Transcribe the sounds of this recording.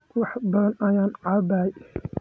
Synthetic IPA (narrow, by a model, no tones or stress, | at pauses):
wɑħbɐðɐnʔɐjaːnʕɑːbaːj